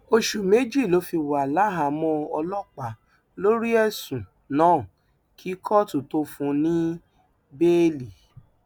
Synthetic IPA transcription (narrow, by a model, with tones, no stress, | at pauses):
o˧ʃu˨me˨˦d͡ʒi˦˨lo˨˦fi˧wa˨la˨˦ɦa˨mɔ̃˧ɔ˧lɔ˦k͡pa˨˦ | lo˦ɾi˦ɛ˦sũ˨ | nãː˨˦˨ | kʰi˦kʰɔ˦tu˨to˧fũ˧nĩ˦ | be˦li˨